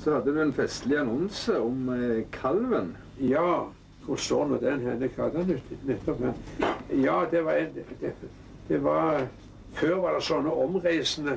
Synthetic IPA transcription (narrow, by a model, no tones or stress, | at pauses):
sɔhɑd̪ːəd̪ʉɛnfɛst̪lɪɑnɔnsəɔmkʰɑlʋən | jɑː | kʰʊsoːɾnuːd̪ɛnɦɛnəkʰɑld̪ɑnʉːt̪nɛt̪ːɔphɛnjɑːd̪ɛʋɑɛd̪ɛ | d̪̥ɛʋɑɾ | føːɾʋɑd̪ɛsɔnːəɔmʁæɪsənə